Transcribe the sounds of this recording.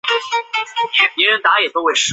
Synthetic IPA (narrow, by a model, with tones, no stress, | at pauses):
pjɛ˧˥ɻə˧˥nt̪a˧˥jɛ˨˩t̪o˥ʊxwe˥˩ɪʂ̩˥